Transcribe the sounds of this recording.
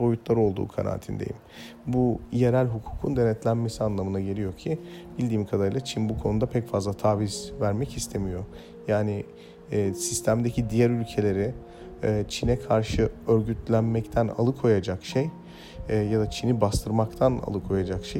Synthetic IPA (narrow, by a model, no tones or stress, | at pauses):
bo̞jut̪lˠaɾo̞lˠd̪ṵːkʰa̰nʔa̰ːt̪ʰind̪ḛjḭm | buje̞ɾælʲɦukʰuːkʰund̪e̞nɛt̪lʲænme̞sianlˠamɯnaɟelʲijo̞cʰibilʲd̪iːmkʰad̪aɾɯjlˠat͡ʃʰinbukʰo̞nud̪apʰɛcfazlˠat̪ʰaːvizvæɾmɛcist̪ʰe̞mijo̞ | jaːnɪː | sist̪ʰæmd̪ecʰid̪ijæɾylʲcʰe̞lʲe̞ɾɪː | t͡ʃʰinɛkʰaɾʃɯøɾɟyt̪lʲænmɛct̪ʰæna̰lˠɯkʰo̞jad͡ʒakʃej | jad̪at͡ʃʰinibast̪ʰɯɾmakt̪ʰana̰lˠɯkʰo̞jad͡ʒakʃej